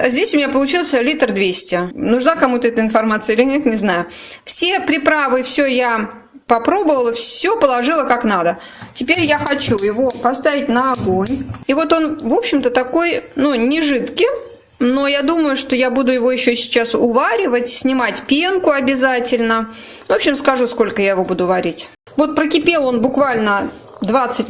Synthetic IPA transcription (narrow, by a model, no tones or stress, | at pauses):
zʲdʲesʲʊmʲɪnʲapəlˠʊt͡ɕilˠəsʲlʲit̪rd̪vʲesʲtʲɪnʊʐnakɐmut̪əɛt̪əɪnfɐrmat̪sɨəilʲɪnʲet̪nʲɪznajʊfsʲe̞pɾʲɪpɾavɨfsʲoja | pɐpɾo̞bəvəlˠəfsʲopəlˠɐʐɨlˠəkaknad̪ətʲɪpʲeɾʲjaxɐt͡ɕujɪvo̞pɐst̪avʲɪtʲnəɐɡo̞nʲivo̞t̪o̞nvo̞pɕːɪmt̪ət̪ɐko̞jnunʲɪʐɨt̪kʲɪ | no̞jad̪uməjʊʂt̪o̞jabud̪ʊjɪvo̞jɪɕːosʲɪ̥t͡ɕasʊvaɾʲɪvətʲsʲnʲɪmatʲpʲenkʊɐbʲɪzatʲɪlʲnə | vopɕːɪmskɐʐusko̞lʲkəjajɪvo̞bud̪ʊvɐɾʲitʲ | vo̞t̪̚pɾəkʲɪpʲelˠo̞nbʊkvalʲnə | d̪vat̪sɨtʲ